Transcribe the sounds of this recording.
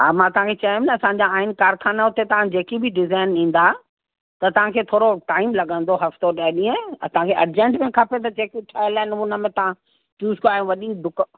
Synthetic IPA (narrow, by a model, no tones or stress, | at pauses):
ɦaːmãt̪ɐɦãkʰet͡ɕɐĩnɐɐsãːɲ̆d͡ʑaaːɪnkaːɾkʰaːnaɦʊt̪et̪ɐʋãd͡ʑeːkibʱɪɖɪzaːɪnĩːn̆d̪a | t̪ɐt̪ɐʋ̤ãkʰeːt̪ʰoːɾoʈaːɪmlɐɠə̃nd̪oɦɐft̪oɗɐɗĩːə̃ɐsãkʰeʔɐɾd͡ʑẽɳʈmẽkʰaːpet̪̬ɐd͡ʑeːkiʈʰaːlaːɪnʊnə̆mẽt̪ɐʋ̤ã | ʈuːskaːijũʋɐɗid̪ʱʊk